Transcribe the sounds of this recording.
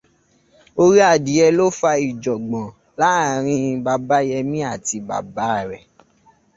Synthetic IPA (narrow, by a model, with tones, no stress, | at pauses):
o˧ɾi˦a˦˨di˨˦ɛ˧lo˦fa˧i˨d͡ʒɔ˨ɡ͡bɔ̃˨ | la˦˨ɾ̃ĩ˧ba˧ba˦jɛ˧mĩ˦a˦˨ti˧ba̰˨ba˦a˦˨ɾɛ˨